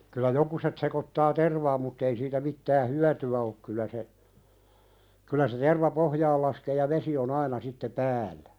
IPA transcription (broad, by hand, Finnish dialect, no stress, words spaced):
kylˑæ jokuset sekotːɑː terʋɑːm mutː ei siːtæ mitːæː hyætyæ ok kylæ se kylæ se terʋɑ pohjɑːl lɑskeː jɑ ʋesi on ɑinɑ sitːe pæːlˑæ